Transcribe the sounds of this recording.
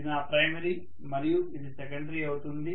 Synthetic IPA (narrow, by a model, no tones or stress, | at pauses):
inaːpɾɐjmɐɾi | mɐɾijuid̪isɛkɐɳɖɐɾiɐwut̪und̪i